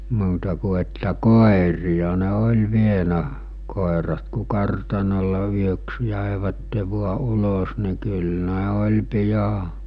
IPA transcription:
muːtɑ ku etːæ koˑerijɑ ne olʲ ʋienæ koˑerɑt ku kɑrtɑnolˑe yøks jæˑeʋætːe ʋuɑ ulos ni̞ kyl ne olʲ pijɑ

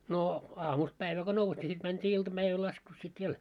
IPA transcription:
noː ɑːmust pæiʋæ ko nous nʲi sit mæntʲiː iltɑb̥æiʋæl lɑskus sit ʋiel

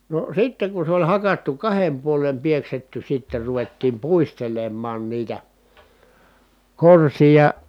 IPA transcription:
no sitːeŋ kun̞ se olʲ hɑkɑtːu kɑhem puolem pieksetːy sitːer ruʋetːiːm puistelemːɑːn niːtæ korsijɑ

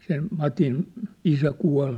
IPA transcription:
sen mɑtin isæ kuɑl

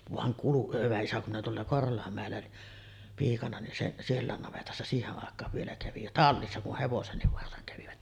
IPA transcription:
ʋɑŋ kulu hyʋæ isæ kum minæ tuolːɑ korholɑmːæˑelːæ piːkɑnɑ nin seʔ sielːæˑen nɑʋetɑsːɑ siːheʔ ʔɑˑekˑɑːʋ ʋielæ kæʋi jɑ tɑlːisːɑ ku heʋosenːiʋ ʋɑrsɑŋ kæʋiʋæt

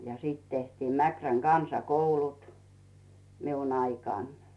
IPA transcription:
jɑ siˑt tehtiːm mækræŋ ɡ̊ɑnsɑkoulut miun ɑikɑˑn

